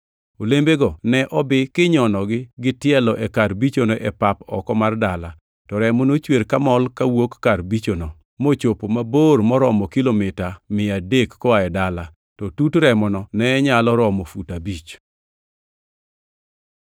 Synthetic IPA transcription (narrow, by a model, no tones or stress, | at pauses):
olembeɡɔnɛʔɔbɪkɪɲɔnɔɡɪɡɪtɪɛlɔʔɛkarbit͡ʃonoʔɛpapɔ̰kɔmardala | tɔɾɛmonot͡ʃweɾkamɔlkawokːarbit͡ʃono | mot͡ʃopomabormɔɾɔmɔkilomɪtamɪadekːɔaɛdala | tɔtutɾɛmɔnɔnɛɛɲalɔɾɔmɔfutabit͡ʃ